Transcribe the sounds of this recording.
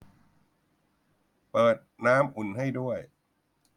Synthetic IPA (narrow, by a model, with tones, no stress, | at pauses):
pɤː˨˩t̪̚naː˦˥mʔu˨˩nɦa˥˩jdu˥˩əj